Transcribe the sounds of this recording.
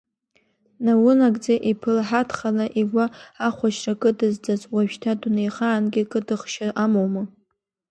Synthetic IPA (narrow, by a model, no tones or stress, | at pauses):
nawʊnakʼd͡zaʔipʰɨlħatʰχalaʔiɡʷaːχʷaʃrakʼɨdɨzd͡zazʼwaʒᶣtʰadunejχaːnɡʲɪkʼɨdɨχʃaʔamowmɨ